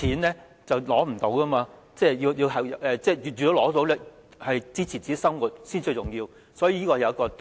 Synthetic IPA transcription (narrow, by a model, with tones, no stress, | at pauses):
iː˨˥nlɛː˥ | t͡sɐ˨wlɔː˨˥m̩˨˩t̪o˨˥wkɐː˥maː˧ | t͡sɛː˥˧ji˧wji˧wɦɐ˨ʔɛː˨˧t͡sɛː˥˧jyː˨yː˨t̪o˨˧wlɔː˨˥t̪o˨˥wlɛː˥hɐ˨jt͡siː˥t͡sʰiː˨˩t͡siː˨ke˨˦˥sɐ˥ŋwuː˨˩t̚siː˥nt͡ʃɵ˧t͡sʊ˨ŋjiː˧w | sɔː˨˥jiː˨˧˥i˥kɔː˧˨jɐ˨˧wkɔː˧